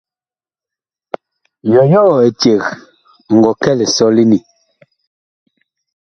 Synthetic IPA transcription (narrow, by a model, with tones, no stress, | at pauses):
jɔ˨jɔ˦˨e˨tje˨ɣ | ŋ̩˨ɡɔ˨kɛ˦˨lɛ˨sɔ˦li˦ni˨